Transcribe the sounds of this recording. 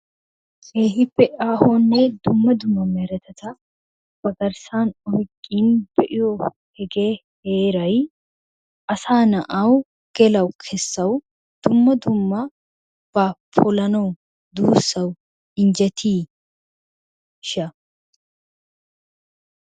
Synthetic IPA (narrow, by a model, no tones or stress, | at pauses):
eːɦɪpːɛʔaːhoːnːɛd̪ʊmːɐd̪ʊmːɐmɛɾɛt̪ʰɛt̪ɐ | b̥ɐɡɐɾsaːnɔhkʼːiːnbɛʔɪjɔ | hɛɡe̞ː | heːɾɐj | ʔɐsaːnɐʔaw | ɡ̥ɛlɐwkʰɛsːɐw | d̪̥ʊmːɐd̪ʊmːɐ | b̥apʰʊlɐnɐw | d̪uːsːɐw | ɪnd͡ʒɛt̪ʰiː | ʃɐ